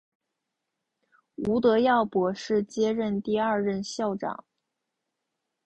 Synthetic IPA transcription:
u˧˥t̪ɤ˧˥jɑ˥˩ʊpwɔ˨˥˩ʂɻ̩˥˩t͡ɕjɛ˥ɻə˥˧nt̪i˥˧ɐ˞˥˧ɻə˥˧nɕjɑ˥˩ʊʈ͡ʂɑ̰˨˩˦ŋ

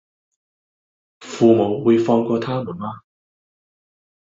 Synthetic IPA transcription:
fuː˨˧mo˨˧wwuː˨˧jfɔː˧ŋkɔː˧t̪ʰaː˥muː˨˩nmaː˧

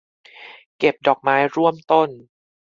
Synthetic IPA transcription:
ke˨˩p̚dɔː˨˩k̚maː˦˥jɾu˥˩əmt̪o˥˩n

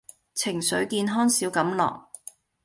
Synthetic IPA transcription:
t͡sʰɪ˨˩ŋsɵ˨˥ɥkiː˧nɦɔː˥nsiː˨˥wkɐ˨˥mlɔ̰ː˨˩k̚

